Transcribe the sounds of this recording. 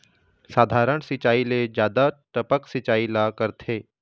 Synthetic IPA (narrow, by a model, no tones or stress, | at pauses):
saːd̪ʱaːɾəɳ̃sɪt͡ʃaːiled͡ʒjaːd̪aʈəpəksɪt͡ʃaːilakəɾt̪ʰeː